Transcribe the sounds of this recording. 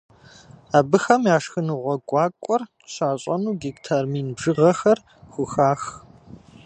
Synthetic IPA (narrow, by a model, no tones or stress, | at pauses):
aːbɨxɐmjaːʂxɨnɨʁʷɔɡʷʼɑːkʷʼɔr | ɕaːɕʼɐnuːɡiktʰarmiːnbʐɨʁɐxɐr | xʷʊxaːx